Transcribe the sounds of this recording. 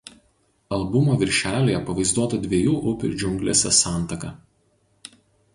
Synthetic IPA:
ɐlˠbʊmoːʋʲɪɾʲʃʲæːlʲeːjɛpɐʋɐɪzd̪uɔt̪ɐd̪ʲʋʲiɛjuːʔʊpʲɪ̰ɾd͡ʒʲʊŋʲɡlʲḛːsʲɛsɑˑnˑt̪ɐkɐ

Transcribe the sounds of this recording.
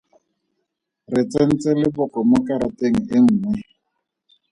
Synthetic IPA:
rɪt͡sʼen̩t͡sɛlɪbʊkɔmʊkaɾateŋ̩ɪŋ̩ːŋwɛ

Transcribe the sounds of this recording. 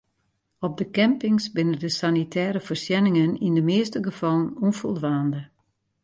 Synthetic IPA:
ɔb̚dəkɛmpɪŋsbɪnədəsanitʰɛːɾəfərsjɛnɪŋənindəmɪːstəɡəfɑlˠənɔnfɔlˠdʋaːndə

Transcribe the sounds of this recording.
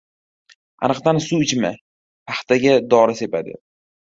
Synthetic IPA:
a̰nɨqd̪ansuɪt͡ʃma | pʰaχt̪ʰaɡʲad̪ɒɾɪse̞pad̪ɪ̰

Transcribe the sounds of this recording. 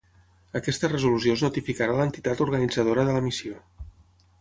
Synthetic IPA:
əkɛst̪ərəzulusioznut̪ifikaɾalənt̪it̪at̪uɾɣənid͡zəðoɾəðələmisio

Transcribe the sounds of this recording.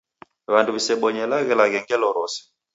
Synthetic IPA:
βanduβisɛɓɔɲɛlaɣɛlaɣɛŋɡɛlɔɾɔsɛ̥

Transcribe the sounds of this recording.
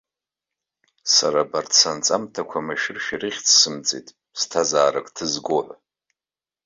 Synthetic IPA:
saɾabartʰsant͡sʼamtʰakʷʰamaʃɪrʃᶣirɨχʲt͡sʰsɨmt͡sʼḭtʼ | stʰazaːrakʼtʰɨzɡʷoħʷ

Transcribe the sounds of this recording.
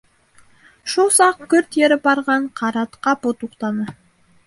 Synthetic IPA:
ʃusɑq̚kʰʲʏɾt̪jeɾɪbɑɾʁɑɴqʰɑɾɑt̪qɑpot̪uqt̪ɑnə

